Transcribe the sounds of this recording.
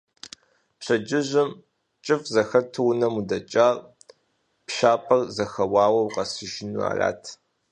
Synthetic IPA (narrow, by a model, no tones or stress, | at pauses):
pɕɐd͡ʒɪʑɪm | t͡ʃʼɨfzɐxɐtʰɨwnɐmudɐt͡ʃʼaːr | pʃaːpʼɐrzɐxɐwɑːwɐwqɐsɨʒɪnua̰ːrʲa̰ːtʰ